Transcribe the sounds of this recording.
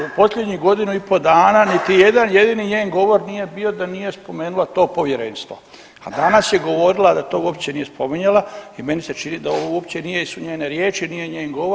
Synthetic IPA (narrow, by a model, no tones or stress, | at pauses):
upo̞slʎʲed̪ɲiɡo̞d̪inuipo̞d̪aːnaːnit̪ije̞d̪anje̞d̪iːniɲeːnɡo̞ʋo̞ɾnije̞bio̞d̪anije̞spo̞meːnulat̪o̞ːpo̞ʋje̞ɾeːnst̪ʋo̞̰ | a̰d̪anasje̞ɡo̞ʋo̞ɾilad̪at̪o̞ːuop̚t͡ɕenije̞spo̞miɲalaime̞nise̞t͡ʃinid̪aoʋouopt͡ɕe̞nije̞isuɲeːneɾje̞ːt͡ʃinije̞ɲeːnɡo̞ʋoɾ